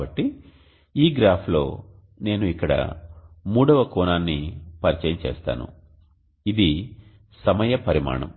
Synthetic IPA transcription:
ɐʈːi | iːɡɾaːpʰlo̞ː | ne̞ːnuikːɐɽɐ̰muːɽɐʋɐkɔːnaːnːipɐɾit͡ʃɐjɐmt͡ʃɛːst̪a̰ːnṵ | id̪i | sɐmɐjɐpɐɾima̰ːɳɐ̰m

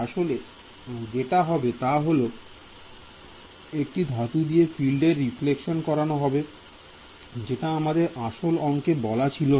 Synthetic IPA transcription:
aʃole | d͡ʑeʈaɦɔbet̪aɦolo | ek̚ʈid̪ʱat̪ud̪ijefilɖeɾːiflekʃonkɔɾanoɦɔbe | d͡ʑeʈaamad̪eɾaʃolɔŋkebɔlat͡ɕʰilo

